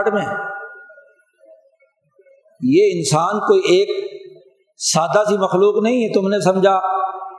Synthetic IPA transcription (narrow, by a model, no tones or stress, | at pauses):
ʈmẽ | jeːɪnsaːnkoːieːk̚ | saːd̪asimɐxluːqnɐɦĩɦɛt̪ʊmnẽsɐ̃md͡ʒʱaː